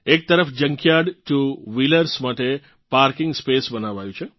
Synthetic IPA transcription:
ek̚t̪əɾəfd͡ʒəŋkjaɽtuʋiləɾsmaʈe | paɾkɪ̃ŋɡspesbənaʋajũt͡ʃʰe

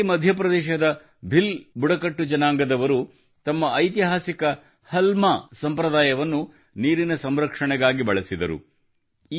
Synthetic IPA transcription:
mɐd̪ʱjɐpɾɐd̪ɛːʃɐd̪ɐ | bʱilbuɽɐkɐʈːud͡ʒɐnaːŋɡɐd̪ɐʋɐɾu | t̪ɐmːɐːjt̪̬iɦaːsikɐ | hɐlmasɐmpɾɐd̪aːjɐʋɐnːu | niːɾinɐsɐmɾɐkʂɐɳɛɡaːɡibɐɭɐsid̪ɐ̰ɾṵ

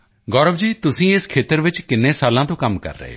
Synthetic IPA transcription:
ɡɔːɾəʋd͡ʒiːt̪ʊsĩeskʰeːt̪əɾʋɪt͡ʃkɪnːẽːsaːlãt̪õːkɐmkɐ̰ɾːə̰ɦḛ

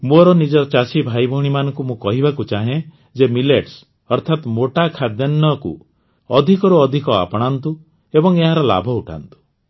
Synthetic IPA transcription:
moɾɔnid͡ʒɔt͡ʃasibʱajbʱɔɽ̃imanɔŋkumũkɔɦibakut͡ʃaɦẽ | d͡ʒemileʈs | ɔɾt̪ʰat̪moʈakʰad̪jɔnːɔkṵ | ɔd̪ʱikɔɾuɔd̪ʱikɔa̰pɔɽ̃ant̪u | ebɔŋeɦaɾɔla̰bʱɔuʈʰa̰nt̪u̥

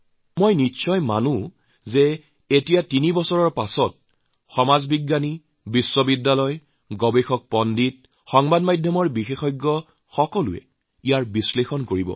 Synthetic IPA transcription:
mojniʃɔjmanu | zɛ | etijatinibɔsɔɹɔɹpasɔt̚ | xɔmazbiɡːani | bisːɔbidːalɔj | ɡɔbexɔk̚pɔndit̚ | xɔŋbadmajdʱjɔmɔɹbixexɔjɡːɔ | xɔkɔlʊ̰ɛ̰ | ijaɹbislexɔnkoɹibɔ̰

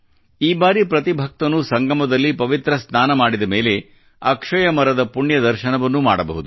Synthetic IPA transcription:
iːbaːɾipɾɐt̪ibʱɐk̚t̪ɐnːusɐŋɡɐmɐd̪ɐlːipɐʋit̪ɾɐsaːnɐmaːɽid̪ɐme̞ːle̞ | ɐkʂɐjɐmɐɾɐd̪ɐpuɳjɐd̪ɐɾʃɐnɐʋɐnːuma̰ːɽɐbɐ̰ɦud̪u

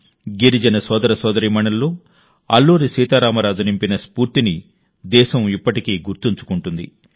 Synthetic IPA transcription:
ɡiɾid͡ʒɐnɐsɔːd̪ɐɾɐsɔːd̪ɐɾiːmɐnɐlːo̞ː | ɐ̰lːuːɾisiːt̪aːɾaːmɐɾaːd͡ʒ̪ɐnimpinɐspuːɾt̪ini | d̪ɛːʃɐmipːɐʈikiːɡuɾt̪iɲt͡ʃu̥kuɳʈund̪ḭ

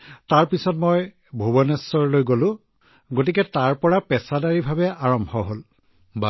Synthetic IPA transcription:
taɹpisɔtmɔj | bʱobɔnɛsːɔɹlojɡolʊ̃ | ɡot̬ikɛtaɹpɔɹapɛsadaɹibʱabɛaɹɔmbʱɔɦol | ba

